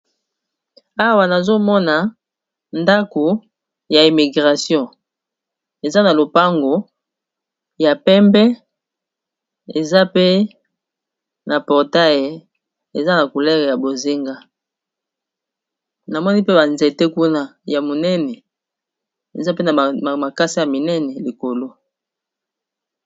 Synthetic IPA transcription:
a˦wa˨na˨zo˦mɔ˦na˨ | nda˦ko˨ | ja˨i˨mi˨ɡʁa˨sjɔ̃˦ | e˨za˦na˨lo˨pa˦ŋɡo˨ | ja˨pɛ˦mbɛ˦ | e˨za˦pe˦ | na˨pɔ˨ʁta˦je˨ | e˨za˦na˨ku˨lɛ˦ʁja˨bo˨zi˦ŋɡa˦ | na˨mɔ˦ni˦pe˦ba˨nze˨te˦ku˦na˦ja˨mo˨nɛ˦nɛ˨ | e˨za˦pe˦na˨ma˨ka˦si˦ja˨mi˨nɛ˦nɛ˨li˨ko˨lo˦

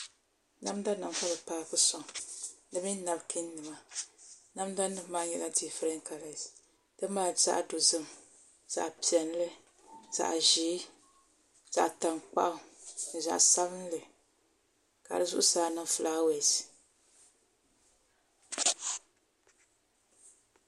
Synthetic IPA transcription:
na˦m˦da˦nɨ˨m˦ka˦lɨ˨paː˦kɨ˦sɔ˨ŋdɨ˦mi˦na˨bkʰi˦nː˦ɨ˨ma˦ | na˦m˦da˦nɨ˦maː˦ɲɛ˨la˦di˨fɨ˦ɾɛ˦ŋ˦ka˨la˨ | d̥ɨ˦maː˦˨za̰˦ʔdo˨zɨ˦m | z̥a̰˨ʔpi˨ɛ˨n˦lɨ˦ | z̥a̰˨ʔʒiː˨˦ | z̥a˨ʔta˨ŋk͡pa̰˦ʔʊ˦n˨za̰˨ʔsa˦βɨ˦n˦lɨ˨ | ka̰˨dɨ˨zʊ̰˦ʔʊ˦saː˨˦nɨ˦˨fɨ˨laː˦we˨si˨

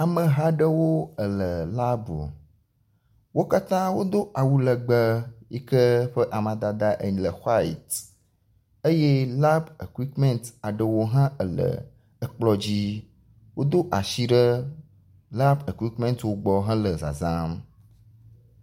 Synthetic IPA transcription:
a˨mə̃˨ɦa˦ɖə˦wo˦ə˨lə˨la˦bo̰˨ | wo˦ka˦t̪ã˦wo˦d̪o˦ʔa˨wu˦lə˨ɡ͡bə˦ji˦kə˦ɸə˦ʔa˨mã˨d̪a˨d̪a˦ʔə̰˨ɲĩ˨lə˨xa˦ḭ˨t̪ | e˦je˦la˦be˨kwi˦tmɛ̃˦nta˨ɖə˨wo˦ɦã˦ʔə˨lə̰˨ | ə˨k͡plɔ˦d͡ʑi˦ | wo˦d̪o˦ʔa˨ʃi˦ɖə˦ | la˦be˨kwi˦tmɛ̃˦nt̪wo˦ɡ͡bɔ˨ɦã˦lə˨za̰˨zã˦m

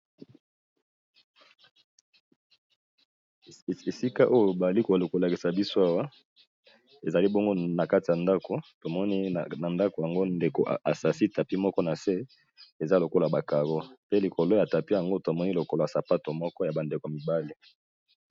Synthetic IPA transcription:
e˨si˦ka˦ʔo˦jo˨ba˨li˦ko˨lko˨la˨ki˨sa˨bi˦so˦a˦wa˦ | e˨za˨li˦bo˦ŋɡo˦na˨ka˦ti˨ja˨nda˦ko˨to˨mɔ˦ni˦˨na˨nda˦ko˨ja˨ŋɡo˦nde˨ko˨ʔʔa̰˨sa˨si˦ta˨pi˦mɔ˦kɔ˦na˨se˦ | e˨za˦lo˨ko˦la˨ba˨ka˨ɣo˦pe˦li˨kʰo˨lo˦ja˨ta˨pi˦ja˨ŋɡo˦ta˨mɔ˦ni˦lo˨ko˦lo˨a˨sa˨pa˦to˨mɔ˦kɔ˦ja˨ba˨nde˨ko˨a˨mi˨ba˦li˦

